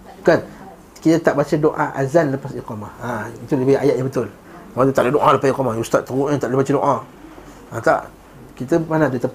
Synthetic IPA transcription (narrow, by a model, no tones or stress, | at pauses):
kan | kitataʔbat͡ʃadoʔa̰ʔa̰zanləpasikɔmaatulbaʔajaʔjabətul | madotalədoʔãləpaikɔmajustaʔtuɡuãtaləbat͡ʃidoʔa | ata̰ʔ | kit̬amanadota